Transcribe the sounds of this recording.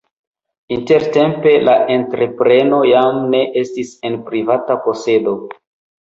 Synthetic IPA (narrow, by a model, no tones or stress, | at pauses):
inte̞ɾte̞mpe̞laʔe̞ntɾe̞pɾe̞no̞jamne̞ʔe̞stise̞npɾivatapo̞se̞do̞